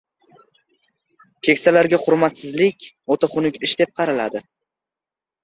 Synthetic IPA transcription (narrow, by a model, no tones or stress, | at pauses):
kʲʰekʲsalaɾɡʲaχʊɾmat̪sɪzlɪkʲ | ot̪ʰaχʊnɪkʲɪʃd̪e̞p̚qʰɑɾala̰d̪ɪ